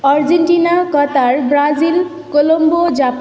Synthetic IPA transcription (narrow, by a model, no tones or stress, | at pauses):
ɔɾd͡ʑeɳʈinakɔt̪aɾbɾazil | kolombod͡ʑap